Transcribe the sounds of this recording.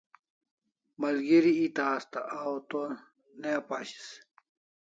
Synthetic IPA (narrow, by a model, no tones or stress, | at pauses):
mɐlɡiɾiit̪aːst̪aʔawt̪o | nepaɕi̥s